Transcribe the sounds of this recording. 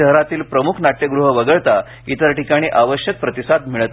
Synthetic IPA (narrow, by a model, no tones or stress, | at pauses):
əɦɾat̪iːlpɾəmukʰnaʈ̪jəɡɾuɦəʋəɡəɭt̪a | it̪əɾʈikaɽ̃iːʔaʋəɕjək̚pɾət̪isad̪̚miɭət̪